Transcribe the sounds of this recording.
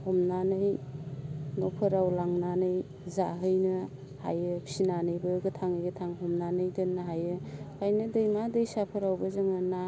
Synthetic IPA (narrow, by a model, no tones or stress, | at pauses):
hɔmnanɯj | nɔpʰɯɾawlaŋnanɯj | zaɦɯjnɯ | ha̰jɯpʰi̥sinanɯjbɯɡɯtʰaŋɯjɡɯtʰaŋɦɔmnanɯjdɯnːaɦajɯkʰajnɯdɯjmadɯjsapʰɯɾawbɐzɯŋɯna